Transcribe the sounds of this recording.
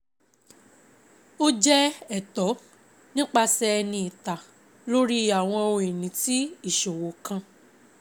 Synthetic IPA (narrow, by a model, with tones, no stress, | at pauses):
o˦d͡ʒɛ˦ɛ˦˨tɔ˨˦ | nĩ˦k͡pa˧sɛ˧nĩ˧i˨ta˨ | lo˦ɾi˦a˨w̃ɔ̃˧o˧we˨nĩ˨˦ti˦i˦˨ʃo˨wo˨˦kã˧